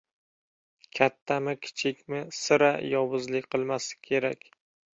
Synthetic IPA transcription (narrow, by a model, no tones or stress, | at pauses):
kʲʰat̪ʰːamɪkʲʰɪ̥t͡ʃʰɪkʲmɪsɪɾajɒwʊzlɪkʲqʰɨlˠmasɪ̥kʲʰe̞ɾakʲ